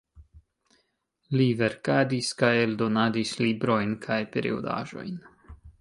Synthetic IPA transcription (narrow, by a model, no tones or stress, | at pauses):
live̞ɾkadiskajeldo̞nadislibɾo̞jnkʰajpeɾḭo̰da̰ʒo̞̰jn